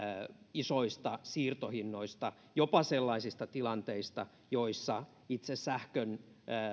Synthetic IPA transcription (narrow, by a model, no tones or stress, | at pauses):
isoist̪ɑsiːrt̪ohinːoist̪ɑ | jopɑselːɑisist̪ɑt̪ilɑnt̪eist̪ɑ | joisːɑ | it̪sessæhkønː